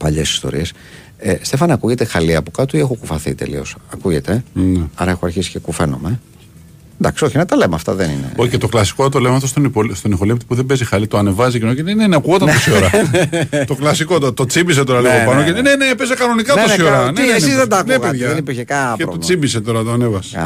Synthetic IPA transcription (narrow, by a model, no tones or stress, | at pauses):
pɐʎesi̥st̪o̞̰ɾḭes | est̪e̞fɐnɐkuʝe̞t̪e̞xɐliɐpokɐt̪uie̞xokufɐθḭt̪e̞̰lḭo̞̰sɐkuʝe̞t̪e̞neɐɾɐexoɐɾçisi̥cekufe̞no̞̰me̞ | nd̪ɐksio̞çinɐt̪ɐlemɐft̪ɐðenḭnḛocet̪oklɐsi̥kot̪olemɐft̪ost̪onipolst̪onixo̞lipt̪i̥puðebe̞zixɐlit̪oɐne̞vɐzicinoceneneneɐkuot̪ɐnosoɾɐ | t̪o̞klɐsikot̪ot̪ot͡simbis̬et̪o̞ɾɐliɣopɐnoenenepezekɐno̞nikɐnt̪osoɾɐneesizðed̪ɐknueɣpeðʝɐðenipiɾçekɐpeɾoult͡simbiset̪o̞ɾɐt̪oɐnevɐse̥